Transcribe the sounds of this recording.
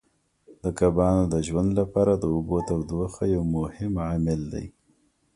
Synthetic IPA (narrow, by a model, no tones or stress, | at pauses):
d̪əkabɑnod̪əʒwand̪lapɑɾad̪əʊbot̪awd̪axajawmʊhɪmʕamɪld̪a̰j